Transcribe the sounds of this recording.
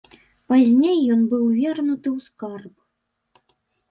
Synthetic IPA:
pazʲnʲejːɔnbɨwvʲɛrnut̪ɨwskarp

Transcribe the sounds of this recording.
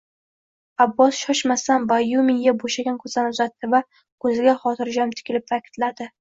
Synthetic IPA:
abːɒsʃɒʃmasanbajumɪŋɡʲaboʃaɡʲankʰɵzd̪anʊzat̪ːɪva | kʰɵzɪɡʲaχɒt̪ʰɪɾd͡ʒamt̪ʰɪ̥kʲɪlɪpvakʲʰɪ̥t̪lad̪ɪ

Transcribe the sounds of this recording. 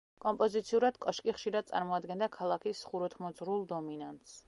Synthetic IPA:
kʼɔmpʼɔzit̪sʰiuɾad̪̥kʼɔʃkʼiχʃiɾad̪̚sʼa̰ɾmɔad̪ɡɛnd̪akʰalˠakʰisχuɾɔt̪ʰmɔzɾulˠd̪ɔminant̪s

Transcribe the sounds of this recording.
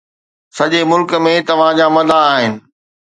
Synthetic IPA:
sɐʄemʊlkmẽt̪ɐʋ̤ãd͡ʑaːmɐd̪ʱaːɦɪnɪ̆

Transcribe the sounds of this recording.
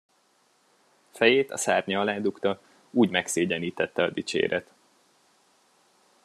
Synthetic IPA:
fɛjeːt̪ɒ̰saːrɲɒɒlaːd̪ukt̪ɒ | uːɟmɛkseːɟɛniːt̪ɛt̪ːɛɒd̪it͡ʃḛːɾʔɛt̪

